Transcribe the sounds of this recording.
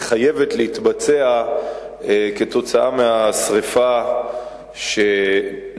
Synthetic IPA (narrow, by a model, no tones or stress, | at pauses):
χaje̞vetleit̪bat͡sea | ke̞to̞t͡saʔameasʁifa | ʃe